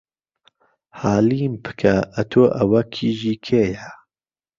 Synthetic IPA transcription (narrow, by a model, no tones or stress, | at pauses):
haːliːmpʰɨ̥kʰɐʔɐt̪ʰoːʔɐwɐkʰiːʒiːkʰeːja